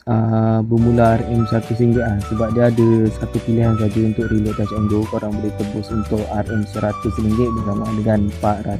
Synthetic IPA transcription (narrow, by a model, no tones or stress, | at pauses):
əbəmũlaarɛmsəat̪usəɾiŋɡɪʔlahsəbap̚diaːdəsat̪upiliɦans̬ad͡ʒəunt̪ʊʔɾilʊʔt̪asəŋɡokoɾaŋbəlit̪əbʊsunt̪ʊʔarɛmsəɾat̪usəɾiŋɡɪʔ̚bəkanaʔdəŋanpaʔra